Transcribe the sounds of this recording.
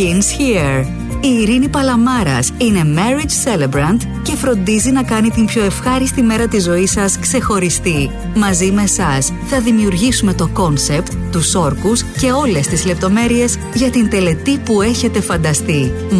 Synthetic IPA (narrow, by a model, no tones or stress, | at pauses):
insçiɾ | iːɾinipɐlɐmɐɾɐ̰sine̞meɾid͡ʒse̞lebɾɐnt̪ | ce̞fɾo̞nd̪izinɐkɐnit̪impço̞e̞fxɐɾist̪ime̞ɾɐt̪izo̞isɐskse̞xo̞ɾist̪i | mɐzime̞sɐs | θɐðimiuɾʝisume̞t̪o̞ko̞nse̞pt̪ːuso̞ɾkusce̞o̞le̞st̪izle̞p̚t̪o̞me̞ɾie̞z | ʝɐt̪int̪e̞le̞t̪ipue̞çe̞t̪e̞fɐnd̪ɐst̪i